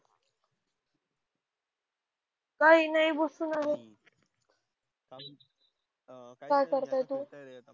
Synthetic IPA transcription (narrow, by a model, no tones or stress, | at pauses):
kaɦiːnaibosuːnaɦe | kajkəɾt̪ajt̪uː